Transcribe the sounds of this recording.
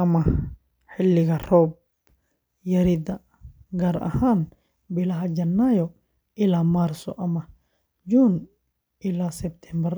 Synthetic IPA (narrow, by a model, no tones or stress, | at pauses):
ʔɐmɐ | ħɪlːɪɡɐrɔːb̚ | jɐɾid̪ɐ | ɡɐɾʔɐ̰haːn | bɪlɐɦɐd͡ʒɐnːaːjɔ | ʔɪlaːmaɾsɔ̰ʔɐmɐ | d͡ʒuːn | ʔɪlaːsɛbt̪ʰɛmbɐɾ